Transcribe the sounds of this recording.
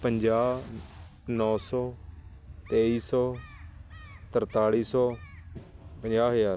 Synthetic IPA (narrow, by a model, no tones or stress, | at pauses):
pəɲd͡ʒaː | nɔ̃ːsɔː | t̪eːiːsɔː | t̪əɾt̪aːɽiːsɔː | pəɲd͡ʒaːɦəjaːɾ